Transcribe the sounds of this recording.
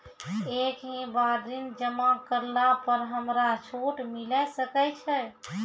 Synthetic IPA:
ekɦẽbaɾd̪ind͡ʒəmakəɾlapəɾɦəmɾat͡ʃʰoʈmilɛsəkɛt͡ʃʰɛ

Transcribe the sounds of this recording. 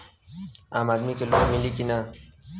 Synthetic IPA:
aːmaːd̪mikelomilikina

